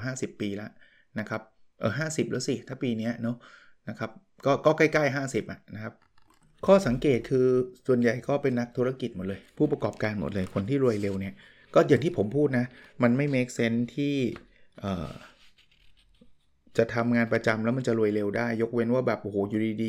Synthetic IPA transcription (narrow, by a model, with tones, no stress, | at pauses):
ɦaː˥˩si˨˩pːiː˧la˦˥ | na˦˥kʰa˦˥p̚ʔɤː˨˩ɦaː˥˩si˨˩p̚lɯː˦˥si˨˩t̪ʰaː˥˩piː˧ni˦˥ɐno˦˥ | na˦˥kʰa˦˥p̚ | kɔː˥˩kɔː˥˩ka˥˩jkaː˥˩jɦaː˥˩si˨˩p̚ʔa˨˩ʔna˦˥kʰa˦˥p̚ | kʰɔː˥˩sa˩˦ŋkeː˨˩t̪̚kʰɯː˧su˨˩ənja˨˩jkɔː˥˩pe˧nːa˦˥k̚t̪ʰu˦˥ɾa˧ki˨˩mo˨˩t̪̚lɤː˧jpʰuː˥˩pa˧kɔː˨˩p̚kaː˧nmo̰˨˩t̪̚lɤː˧jkʰo˧nt̪ʰiː˥˩ɾu˧əjle˧wni˦˥˩ɐ | kɔː˥˩ja˨˩ŋt̪ʰiː˥˩pʰo˩˦mpʰuː˥˩t̪̚na˦˥ma˧nma˥˩jmeː˦˥k̚se˦˥nt̪ʰiː˥˩ | ʔə̰ː˨˩ | t͡ɕa˨˩t̪ʰa˧mŋaː˧npɾa˧t͡ɕa˧mlɛ˦˥ma˧nt͡ɕa˨˩ɾu˧əjle˧wdaː˥˩jːo˦˥k̚we˧nwaː˥˩bɛː˨˩p̚ʔo˧˩hoː˩˦ju˨˧˩diː˧diː˧